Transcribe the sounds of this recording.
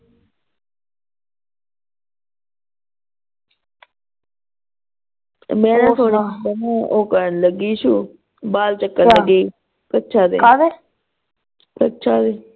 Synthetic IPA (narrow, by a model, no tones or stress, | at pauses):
mɛ̃ːnãːt̪ʰoːɽənũːoːkəɾənləɡiːʃuː | baːlt͡ʃəkːənləɡiː | kətːʃʰaːd̪ḛːad̪e | kətːʃʰaːd̪eː